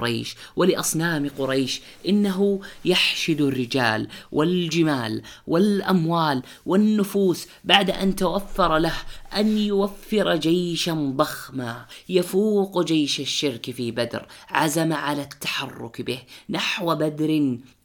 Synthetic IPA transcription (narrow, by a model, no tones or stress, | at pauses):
ɾɑjʃwɪlɪʔɑsˤnaːmqʊɾˤɑjʃ | ʔɪnːaɦʊjaħʃɪd̪arːɪd͡ʒaːlwʔɪld͡ʒɪmaːlwɪlʔamwaːl | wɪnːʊfuːs | baʕd̪ʔa̰nt̪awafːɑɾˤlahʔanjʊwafːɪɾd͡ʒajʃand̪ˤɑxmajafuːqd͡ʒajʃaʃːɪɾkfibad̪ɾʕazamaʕalat̪ːḁħɑrˤːʊ̰kbɪhnaħwabad̪ɾɪ